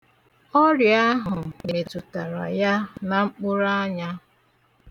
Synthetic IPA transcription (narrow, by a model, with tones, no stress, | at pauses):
ɔ˦ɾja˦ɦʊ˨me˨e˨tʊ˨ta˨ɾa̰˨ja˦na˨ŋ͡m̩˦k͡pʊ˦ɾa˦ɲa˦